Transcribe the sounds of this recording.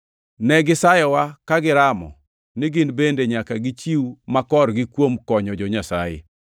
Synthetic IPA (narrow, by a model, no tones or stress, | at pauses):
nɛɡɪsajɛwakaɡɪɾamɔ̰ | nɪɡɪnbendeɲakaɡɪt͡ʃiwumakɔrɡɪkwomkɔɲɔd͡ʒɔɲasa̰jḛ